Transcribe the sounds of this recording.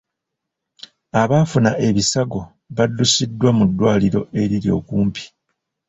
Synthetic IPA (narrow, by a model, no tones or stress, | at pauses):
aβaːfunaʔe̞βisaɡo̞ | βadːusidːwamudːwaːliɾo̞̰e̞ɾiɾjo̞̰ːkuːmpi̥